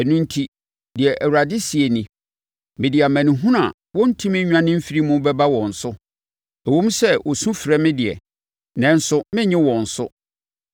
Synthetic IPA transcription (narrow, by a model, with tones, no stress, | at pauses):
nũ˦n̩˦tʰi˦ | dɪ˨ɛ˨ʔæ˨wu˨ɾa˨dɪ˦si˨e˨nĩ˨ | mɪ̃˨dɪ˨a˨mæ̃˨nĩ˨ɦũ˦nã̰˨ | wɔ̃˦n̩˦tʰĩ˦mɪ̃˦ɲᶣ˦ã˦nɪ̃˦m̩˦fi˦ɾi˦mʊ̃˦bɛ˦ba˦wɔ̃˨n̩˨sʊ˦ | ɛ˨wõ˦m˦sɛ˦wʔɔ˨sũ˦fɾɛ˦mɪ̃˦dɪ˨ɛ̰˨ | nɛ̃˨˦n̩˦sʊ˦mɪ̃˦ɲɪ̃˦wɔ̃˨n̩˨sʊ˦